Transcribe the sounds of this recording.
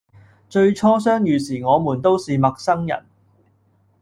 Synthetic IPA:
t͡ʃɵ˧ɥt͡ʃʰɔː˥sœː˥ŋjyː˨˧siː˨˩ŋɔː˨˧muː˨˩nt̪o˥wsiː˨mɐ˨k̚sɐ˥ŋjɐ̰˨˩n

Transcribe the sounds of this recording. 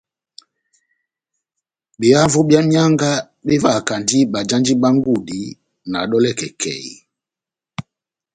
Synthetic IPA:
ɓe˨a˦vɔ˦bja˦ɲa˦ŋɡa˦ | ɓe˦va˦˨ka˨ndi˦ɓa˨d͡ʒa˦nd͡ʒi˦ɓa˦ŋɡu˦˨di˨˦ | na˨ɗɔ˦lɛ˦˨kɛ˨kʰɛ̰˨i˨

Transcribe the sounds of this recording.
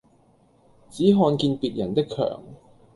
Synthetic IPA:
t͡siː˨˥ɦɔː˧nkiː˧npiː˨t̚jɐ˨˩nt̪ɪ˥kʰːœ̰ː˨˩ŋ

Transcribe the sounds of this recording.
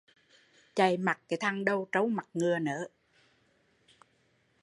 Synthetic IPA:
t͡ɕa˨˩jma˨˩k̚kaː˨˦jt̪ʰa˧ŋɗə˧wt͡ɕə˧˦wma˨˩t̚ŋɨ˨˩ənəː˨˦

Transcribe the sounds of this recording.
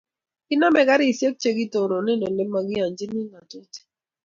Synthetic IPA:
ɪ˦na˦mɛ˦ka˦ɾɪ˦˨sje˦k̚t͡ʃe˦ɡi˦to˨ɾo˨nɪ˦no˨le˦mma˦ɡɪ˦a˨nd͡ʒi˦ni˦na˨to˦ti̥˦

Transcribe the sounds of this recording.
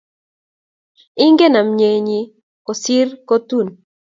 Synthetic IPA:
i˦ŋɡe˦na˨mɲe˨ɲi˦˨ | ko˨si˦rko˦t̪u˦˨n

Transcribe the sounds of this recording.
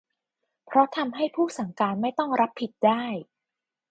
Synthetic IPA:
pʰɾɔ˦˥t̪ʰa˧mɦa˥˩jpʰuː˥˩sa˩˦ŋkaː˧nma˥˩jt̪ɔ˥˩ŋɾa˦˥pʰːi˨˩t̪̚daː˥˩j

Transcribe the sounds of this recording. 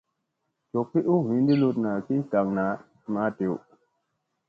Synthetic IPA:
t͡ʃo˨k̚pi˦ɗu˦hi˨ndi˦lu˦tna˨ki˦ɲta˨ŋna˨ | ma˨˦te˨w

